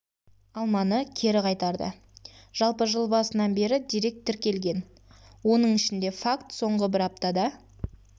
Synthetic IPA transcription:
ɑlˠmɑnəkʲʰe̞ɾɪqʰɑjt̪ɑɾd̪ə̰ | ʒ̥ɑlˠpəʒəlˠbɑsənɑnbe̞ɾɪd̪iɾe̞k̚t̪ʰːɪɾkʲe̞lɡʲe̞n | wo̞nəɴɪʃɪnd̪e̞fakt̪so̞ɴʁəbɪɾɑp̚t̪ɑd̪ɑ

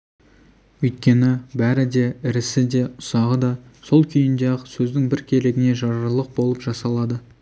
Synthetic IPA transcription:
wɵjt̪̚kʲe̞nɪbæɾɪd̪e̞ɪɾɪsɪd̪e̞ʊ̥sɑʁəd̪ɑso̞lˠkʲʰʏjɪnd̪eɑqsɵzd̪ɪŋbɪɾkʲʰe̞leɡʲɪne̞ʒɑɾɾlˠəq̚bo̞lˠəpʒɑsɑlˠɑd̪ə

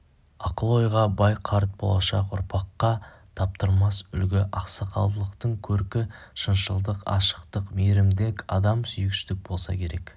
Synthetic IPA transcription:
ɑqəlˠo̞jʁɑbɑjqʰɑɾt̪̚bo̞̰lˠɑʃɑqʊ̰ɾpʰɑqːɑ | t̪ʰɑp̚t̪əɾmɑsʏ̰lɡʲɪʔɑqsɑqʰɑ̰lˠd̪əlˠəqt̪əɴkʲʰɵɾkʲɪʃənʃəlˠd̪əqɑ̰ʃə̥qt̪əqmeɾɪmd̪ɪkʲɑ̰d̪ɑmsʏjɪkʃɪ̥t̪ɪk̚b̥o̞lˠsɑ̰kʲʰe̞ɾe̞k

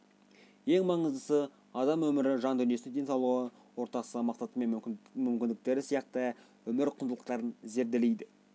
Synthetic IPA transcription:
je̞ŋmɑɴəzd̪əsə | ɑd̪ɑmwɵmɪɾɪʒɑnd̪ʏnjesnɪŋd̪e̞nsɑwlˠuʁə | wo̞ɾt̪ɑsəəmɑqsɑt̪əme̞nmʏmkʲɪnd̪ɪk̚t̪e̞ɾɪsijɑq̚t̪ə | ʏmɪɾqʰʊnd̪əlˠəq̚t̪ɑɾənze̞ɾd̪ele̞jd̪ɪ

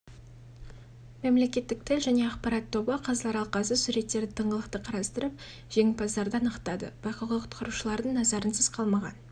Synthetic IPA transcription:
memle̞kʲe̞t̪ːɪk̚t̪ʰɪlʒæne̞ɑqpɑɾɑt̪ʰːo̞bəqʰɑzlˠɑɾɑlˠqɑsəsuɾe̞t̪ːe̞ɾd̪ɪt̪ʰəɴʁəlˠəqt̪əqʰɑɾɑst̪əɾəp̚ | ʒ̥e̞ŋɪpɑzd̪ɑɾd̪əɑnəqt̪ɑd̪ə̰bɑqɑʁɑqʰʊ̥t̪qəɾuʃəlˠɑɾd̪əɴnɑzɑɾənsəz̥qʰɑlˠmɑʁɑ̰n

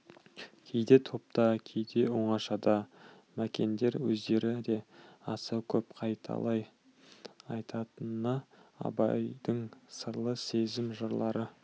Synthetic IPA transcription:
kʲʰe̞jd̪e̞t̪ʰo̞p̚t̪ɑkʲʰe̞jd̪e̞woɴɑʃɑd̪ɑ | mækʲe̞nd̪e̞ɾwɵzd̪e̞ɾɪd̪e̞ɑsɑkʲʰɵpqʰɑjt̪ʰɑ̰lˠɑj | ɑjt̪ʰɑt̪ənəɑ̰bɑjd̪̥əɴsəɾlˠəse̞zɪmʒəɾlˠɑɾə

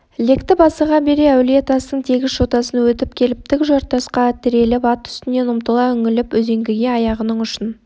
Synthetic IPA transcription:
le̞kt̪ɪbɑsəʁɑbe̞ɾe̞æwlet̪ʰɑst̪əɴt̪ʰe̞ɡʲɪzʃot̪ɑsənwɵt̪ɪpkʲʰe̞lɪp̚t̪ɪkʒoɾt̪ːɑsqɑt̪ʰɪɾe̞lɪpɑt̪ʰʏ̥st̪ɪne̞nʊmt̪əlˠɑʏŋɪlɪpwɵze̞ŋɡʲɪɡʲe̞ɑjɑʁənəɴʏʃən

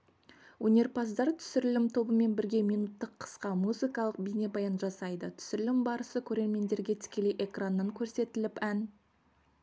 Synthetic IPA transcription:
wɵnʲe̞ɾpɑsd̪ɑɾt̪ʰʏ̥sʏɾɪlɪmt̪ʰo̞bəme̞nbɪɾɡʲe̞mijnut̪ːəqʰːə̥sqɑmuzikɑlˠəq̚bijne̞bɑjɑnʒɑsɑjd̪ət̪ʰʏ̥sʏɾɪlɪmbɑɾəsəkʲʰɵɾe̞ɾme̞nd̪e̞ɾɡʲe̞t̪ʰɪ̥kʲe̞le̞jʔe̞kranːɑŋkʲʰɵɾse̞t̪ɪlɪpæn

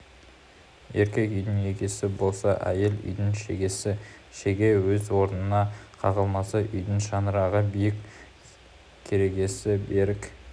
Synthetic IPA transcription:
e̞ɾkʲe̞kʏjd̪ɪne̞kʲe̞sɪbo̞lˠsɑʔæ̰je̞lʏ̰jd̪ɪnʃeɡʲe̞sɪ | ʃeɡʲe̞wɵzwo̞ɾənənɑqʰɑʁəlˠmɑsɑʔʏjd̪ɪnʃɑnəɾɑʁəbijɪkʲ | kʲʰːe̞ɾe̞ɡʲe̞sɪbeɾɪk

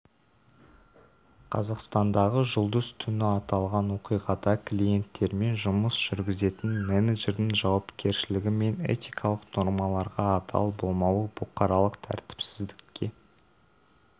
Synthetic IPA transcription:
qʰɑ̰zɑqst̪ɑnd̪ɑʁəʒʊlˠd̪əzt̪ʰʏnɪɑt̪ɑlˠʁɑnwo̞qijʁɑd̪ɑklʲije̞nt̪ːe̞ɾme̞nʒʊməsʒ̥ʏɾɡʲɪze̞t̪ɪnmeneʒe̞ɾd̪ɪŋʒɑwɑpkʲe̞ɾʃɪlɪɡʲɪme̞ne̞̰t̪ijkʰɑlˠəqno̞ɾmɑlˠɑɾʁɑːt̪ʰɑ̰lˠbo̞lˠmɑwəbʊqɑɾɑlˠəqt̪ʰæ̰ɾt̪ɪ̥psɪzd̪ɪkːʲe̞

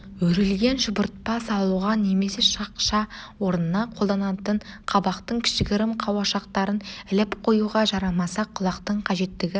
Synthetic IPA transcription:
wɵɾɪlɡʲe̞nʒʊbʊɾt̪̚pɑsɑlˠuʁɑne̞me̞seʃɑqʃɑwo̞ɾnənɑqʰo̞lˠd̪ɑnɑt̪əɴqʰɑbɑqt̪əɴkʲʰɪ̥ʃɪɡʲɪɾɪmqʰɑwɑʃɑq̚t̪ɑɾənɪlɪpqʰo̞juʁɑʒɑɾɑmɑsɑqʰʊlˠɑqt̪əɴqʰɑʒe̞t̪ːɪɡʲɪ

